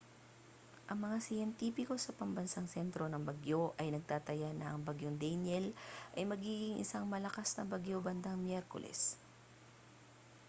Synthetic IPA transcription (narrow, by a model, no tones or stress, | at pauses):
ʔɐŋmɐŋasɪjɛnt̪iːpɪko̞sɐpɐmbɐnsaŋsɛnt̪ɾo̞nɐŋbɐɡjo̞ʔɐjnɐɡ̚t̪aːt̪ɐjanɐʔɐŋbɐɡjoŋd̪ɛjnɛlʔɐjmɐɡiːɡɪŋʔɪ̰saŋmɐlɐkasnɐ̰bɐɡjo̞bɐnd̪aŋmjɛɾko̰lʔɛ̰s